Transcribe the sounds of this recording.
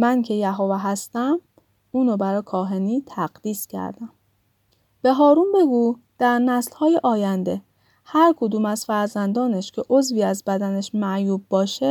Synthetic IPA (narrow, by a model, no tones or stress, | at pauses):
mæncʰe̞jæɦovæɦæst̪æm | uːnobæɾɒːkʰɒːɦe̞niːt̪ʰæɡd̪iːscʰæ̰ɾd̪æm | b̥e̞ɦɒːɾuːmbe̞ɡuː | d̪̥æɾnæslhɒːjeʔɒːjænd̪e̞ | hæɾkʰod̪uːmæzfæɾzænd̪ɒːneʃcʰe̞ʔozviːæzbæd̪æneʃmæʔjuːb̚bɒːʃe